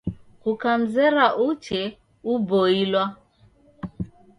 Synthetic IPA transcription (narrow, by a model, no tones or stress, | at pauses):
kukam̩zɛɾaʔut͡ʃɛ | ubɔilwa